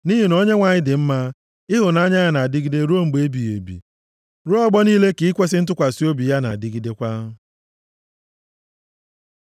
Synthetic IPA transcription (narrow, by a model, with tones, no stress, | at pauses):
ni˦ɦi˨no˦ɲe˦ŋʷa˨ɲɪ˦dɪ˨m̩˦ma˦ | ɪ˦ɦʊ˨na˦ɲa˦ja˨na˨a˨dɪ˦ɡi˦de˦ɾu˦o˦ŋ͡m̩˨ɡ͡be˦bi˨ḛ˨bḭ˨ | ɾʊ˦ɔ˦ɡ͡bɔ˦niː˦le˦ki˨i˦kʷe˦s̬ɪ˦n̩˦t̬ʊ˦kʷa˨si˦o˦bi˨ja˦na̰˨dɪ˦ɡi˦de˦kʷa˦ɦʊ˦